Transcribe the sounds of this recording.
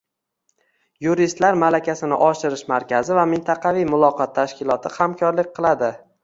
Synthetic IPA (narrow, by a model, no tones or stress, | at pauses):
juɾist̪laɾmalakʲʰasɪnɪ̰ʔɒʃɪɾɪʃmaɾkʲʰazɪvamɪnt̪ʰɑqʰɑvijmʊlˠɒqʰɒt̪ʰːaʃkʲɪlˠɒt̪ʰɪhamkʰɒɾlɪk̚ʲqʰɨlˠad̪ɪ